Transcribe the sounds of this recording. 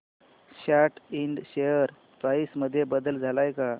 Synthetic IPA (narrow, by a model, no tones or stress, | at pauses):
ɕaʈiɳɖɕejəɾ | pɾaisməd̪ʱːjebəd̪əld͡zʱalajka